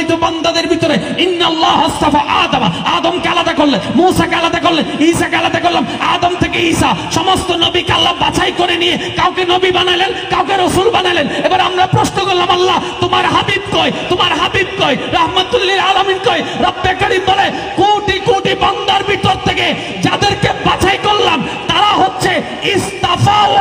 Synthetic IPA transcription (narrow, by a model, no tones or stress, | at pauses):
jt̪ubɔnd̪ad̪eɾbʱit̪oɾe | inːalːaɦɔst̪afaʔaːd̪amaaːd̪omkealad̪akoɾlenmusakealad̪akoleniːsakealad̪akoɾlama̰ːd̪omt̪ʰekeisaʃɔmost̪onobikealːabat͡ɕʰajkoɾenijekawkenobibanajlenkawkeɾosulbanajlenebaɾeamɾapɾosnokollamalːat̪omaɾɦabib̚kojt̪omaɾɦabib̚kojɾaɦmat̪ulːiɾaːlaminkoeɾɔbːekaɾib̪ɔle | koʈikuʈibɔnd̪aɾbit̪oɾt̪ʰeke | d͡ʑad̪eɾkebat͡ɕʰajkoɾlam | t̪aɾaɦotːɕʰe | ist̪afa